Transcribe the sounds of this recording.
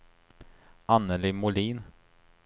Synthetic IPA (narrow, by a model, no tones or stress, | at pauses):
ʔanːəlɪmʊliːn